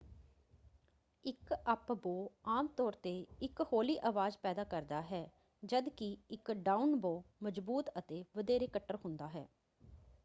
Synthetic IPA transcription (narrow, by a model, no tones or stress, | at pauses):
ɪkəpboːaːmt̪ɔːɾt̪eːɪkhoːliːʔaːʋaːzpɛːd̪aːkəɾd̪aːɦɛː | d͡ʒəd̪kɪɪkɖaːunboːməd͡ʒbuːt̪ət̪eːʋəd̪eːɾeːkəʈːəɾɦʊnd̪aːɦɛ̰ː